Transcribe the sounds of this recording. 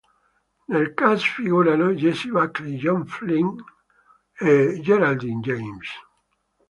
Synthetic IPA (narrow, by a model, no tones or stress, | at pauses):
nelkasfiɣuɾanod͡ʒesiβakliʒɔɱfliŋ | ed͡ʒeɾald̪ind͡ʒejms